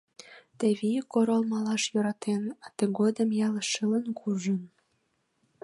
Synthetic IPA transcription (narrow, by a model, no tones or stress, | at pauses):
t̪əβikoɾolmɑlɑʃjøɾɑt̪enɑt̪əɡod̪əmjɑləʃələnkʰuʒən